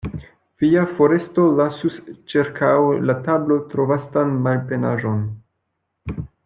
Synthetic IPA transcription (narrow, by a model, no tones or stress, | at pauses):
v̥iafo̞ɾe̞sto̞lasust͡ʃiɾkʰawlatablo̞tɾo̞vastanmalpe̞naʒo̞n